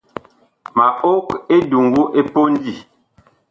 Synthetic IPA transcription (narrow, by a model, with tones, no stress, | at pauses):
ma˨o˦ke˦du˨ŋɡu˦ʔe˦po˦n˦di˦˨